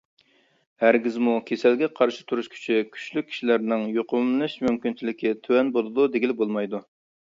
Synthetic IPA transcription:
hæɾɡʲizmukʲʰesælɡʲɛqʰɑɾʃɨ̥t̪ʰuɾuʃkʲʰy̥t͡ʃʰikʲʰy̥ʃlyk̚ʲʰːi̥ʃilæɾnɪŋjoqʊmlɨʃmymkʲint͡ʃʰilɪkʲɛt̪ʰøwɛnbolˠɨd̪ud̪eɡʲilbolˠmɑjd̪u

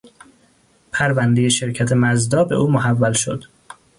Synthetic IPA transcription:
pʰæɾvænd̪eje̞ʃe̞ɾcʰæt̪ʰe̞mæzd̪ɒːbe̞̰ʔuːmoɦævːælʃo̰d̪̥

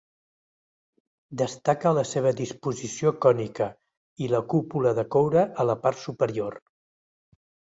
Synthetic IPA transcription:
d̪əst̪akələseβ̞əd̪ispuzisiokɔnikə | iləkupuləðəkowɾəʔələpart̪supəɾior

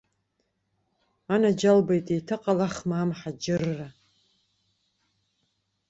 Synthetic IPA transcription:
anad͡ʒalbajtʼejtʰɨqʼalaχmaːmħad͡ʒɪrːa

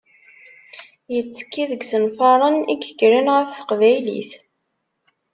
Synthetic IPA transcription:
jət͡sːə̥kːiðəɡsənfɑɾˤənḭkəɡɾinʁəfθə̥qvæjlḭθ

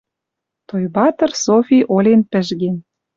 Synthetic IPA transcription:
t̪ojbɑt̪ə̆rsofʲiʔolʲenpə̆ʒɣen

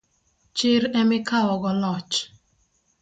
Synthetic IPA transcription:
t͡ʃɪɾemɪkawɔɡɔlɔt͡ʃ

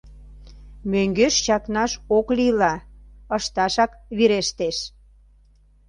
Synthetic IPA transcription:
møŋɡøʃt͡ɕɑknɑʃoklilɑəʃt̪ɑʃɑkβiɾeʃt̪eʃ

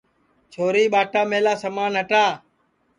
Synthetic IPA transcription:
t͡ʃʰoːɾiːɓaːʈaːmeːlaːsəmaːnɦəʈaː

